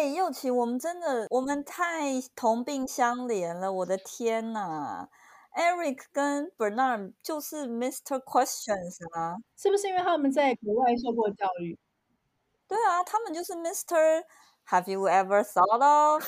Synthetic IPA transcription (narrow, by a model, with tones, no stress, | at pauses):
e˥˧˩ɪjo˥˩ʊt͡ɕʰi˧˥wɔ˨˩mə˦nʈ͡ʂə˥nd̪ə˨wʔɔ˨˩mə˦nt̪ʰa˥˩ɪt̪ʰʊ˧˥ŋpi˥˧ŋɕjɑ˥ŋljɛ˧˥nlə˧wɔ˨˩d̪ə˦t̪ʰjɛ˥nɐ˨˩ | ɛ˥ɹi˨˩kʰkə˥npə˨˩nɑ˥˩t͡ɕjo˥˧ʊʂɻ̩˥˩mi˥st̪ʰə˧˥kʰwɛ˥st͡ɕə˨˩nsɐ˩ʂɻ̩˥˩bu˩ʂɻ̩˥˧ĩ˦nw̪ʰa˥mə˨nt͡sa˥˩ɪkə˨˩˦wa˥˧ɪʂ̬o˥˧kwɔ˥˧t͡ɕjɑ˥˧ʊy˥˩ | t̪we˥˩ɪɐ˩t̪ʰa˥mə˨nt͡ɕjo˥˧ʊʂ̬ɻ̩˥˩mi˥st̪ʰə˥˧ | hæ˨˩vju˨wɛ˥və˧˩sɑ˨˧˥ʊdɔ˥f